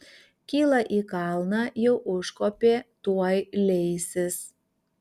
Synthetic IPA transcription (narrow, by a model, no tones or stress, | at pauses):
kʲiːlˠɑʔiːkɑlˠnɑjɛʊʔʊʃkoːpʲeːt̪uɔjlʲɛɪsʲɪs